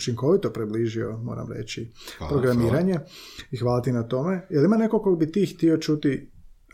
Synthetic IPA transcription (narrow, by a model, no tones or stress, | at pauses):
t͡ʃiŋko̞ʋit̪o̞pɾebliːʒio̰moːɾa̰mɾḛt͡ɕippɾo̞ɡɾamiːɾaɲe̞ixʋaːlat̪inat̪o̞me̞jelimane̞kokoɡbit̪iːxt̪io̞t͡ʃut̪i